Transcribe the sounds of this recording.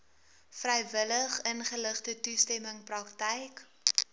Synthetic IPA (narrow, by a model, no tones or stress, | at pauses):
frɛjvələχənχələχtətustɛməŋprɐktɛjk